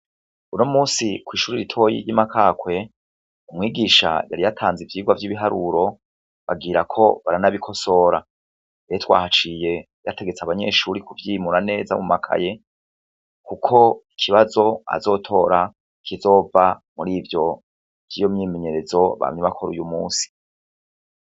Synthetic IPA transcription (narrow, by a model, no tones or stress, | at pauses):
unomuːsikwiːʃuɾiɾitʰo̞jḭɾɟimakʰaːkwe̞ | umŋiːɡiːʃa̰ja̰ɾijatʰaːnzivjiːɡwavjiβiɦaɾuɾo̞ | βaɡiːɾakʰo̞̰βaɾanaβikʰo̞so̞ːɾa | ejetwa̰ːhat͡ʃije̞ | jate̞ɡet͡saβaɲe̞̰ʃuːɾikuvjiːmuɾane̞ːza̰mumakʰa̰je̞ | kukʰo̞ikʰiβazo̞a̰zo̞ːtʰo̞ːɾa | kʰizo̞ːvamuɾiːvjo̞ | v̥jiːjo̞mɲiːmeɲe̞ɾe̞zo̞βa̰mɲeβakʰo̞ɾṵjumṵːsi̥